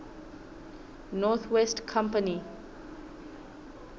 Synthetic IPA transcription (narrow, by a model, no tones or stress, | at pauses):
nɔt̪ʰwɛstkʰãmpəni